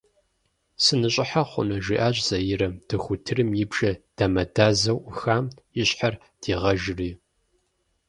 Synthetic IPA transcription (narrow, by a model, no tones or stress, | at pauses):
sɨnɨɕʼɪħaχʷʊ̰nɐʒiʔaːɕʼz̥ɐjɪɾɐd̥ɨxʷʊtʰɨrɨmjɪbʒ̥ɐd̥aːmɐdaːzɐwʔxaːmjɪɕħar | d̥iːʁɐʒriː